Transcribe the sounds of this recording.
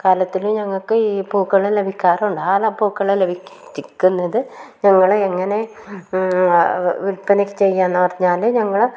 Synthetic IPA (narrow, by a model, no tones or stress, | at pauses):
kaːlɐt̪ːilumɲɐŋːɐɭkɨipuːkːɐɭːele̞bʱikʲːaːrɐuɳɖaːlapuːkːɐɭːele̞bʱikʲkʲːunːɐðɨɲɐŋːɐɭeŋːɐne̞ | ʋilpɐnɐkʲːɨ̥t͡ɕe̞jːaːnːɨpɐrɐɲːaːlɨɲɐŋːɐɭ